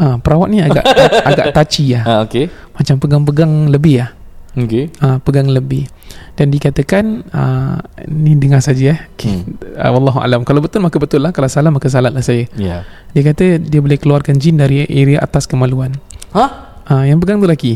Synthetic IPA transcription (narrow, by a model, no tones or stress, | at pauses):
ʔapəɾawat̪̚niaɡa̰ʔaɡaʔt̪at͡ʃiahaoke | mat͡ʃampəɡaŋp̬əɡaŋləbɪhahokeapəɡaŋləbɪh | dandiəkat̪əkanə̰ | nidəŋarsad͡ʒəahokʰeə̰wɑlːɑɦua̰lamkalawbət̪ʊlmakəbət̪ʊlːahkalasalatmakəs̬alat̪̚lahsajəja | diəkat̪ədiəbolɛhkəluarkand͡ʒɪndaɾiʔeɾiaʔa̰t̪askəmaluana | ʔajaŋp̬əɡaŋt̪ulaɡi